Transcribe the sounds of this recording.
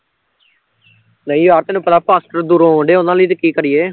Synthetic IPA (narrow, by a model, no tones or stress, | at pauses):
nəĩaːɾt̪eːnũːpət̪aːpaːsʈəɾd̪uɾõːɦõːɳɖeːʊnãːləiːt̪̬ekiːkəɾɪjeː